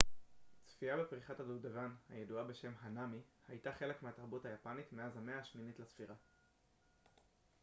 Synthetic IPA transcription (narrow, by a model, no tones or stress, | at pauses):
t͡sfiabepʁiχatadudavanha̰jeduabe̞ʃe̞mɦanamihajtaχe̞le̞kmeataʁbuthajapanitmeazameaːʃminitlasfiʁa